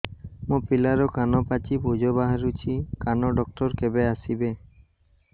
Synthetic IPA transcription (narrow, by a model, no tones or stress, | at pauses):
mopilaɾɔkanɔpat͡ʃipud͡ʒɔbaɦaɾut͡ʃʰikanɔɖɔk̚tɔɾkebeasibe